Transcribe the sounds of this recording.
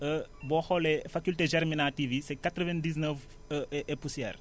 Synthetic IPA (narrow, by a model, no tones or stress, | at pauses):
əbɔxɔlɛfakulteʒɛɾminativisɛkatɾəvɛndiz̬nəf | ɛpusijɛ̰r